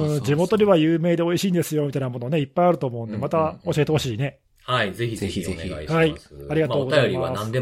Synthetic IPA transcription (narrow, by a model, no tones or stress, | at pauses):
ɯ̃d͡ʑimo̞t̪o̞d̪eβajɯːme̞ːd̪e̞o̞iɕiːnd̪e̞sɨjo̞mʲit̪ainamo̞noːne̞ipːaiaɾɯ̟t̪oːmo̞ɯ̟̃nd̪e̞mat̪ao̞ɕie̞t̪e̞ho̞ɕiːne̞ | aizeçiçhaiaɾʲiɡat̪oːɡ̪ajoɾʲianãnd̪e